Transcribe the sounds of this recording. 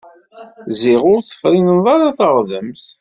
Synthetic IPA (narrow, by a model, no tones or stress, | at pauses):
zɪʁʊɾθə̥fɾinənðˤaɾaθəʁðəmθ